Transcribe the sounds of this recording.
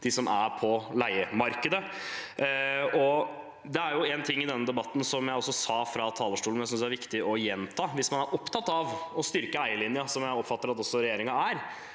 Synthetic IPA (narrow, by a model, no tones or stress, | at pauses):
d̪ɪsɔmʔæɾpʰɔlæɪəmɑɾkəd̪ə | ɔ | d̪ɛæɾjʊɛːnt̪ʰɪŋːɪd̪ɛnːəd̪ɛbɑt̪ːn̩sɔmjæɪɔsːɔsɑːfɾɑt̪ʰɑːləʂʈuːlnæɪsʏnsd̪æɾʋɪkt̪ɪʔɔjɛnt̪ʰɑːʋɪsmɑnæɾʔɔpt̪ʰɑt̪ːɑʋɔst̪ʏɾkəæɪəlɪnɪɑsɔmjæɪɔpːfɑt̪ːəɾɑt̪ɔsːɔɾɛjeːɾɪŋɑæɾ